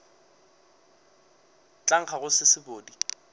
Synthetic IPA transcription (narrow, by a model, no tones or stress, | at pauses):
t͡ɬʼaŋ̩χʰaɣʊsɪsɪboːdi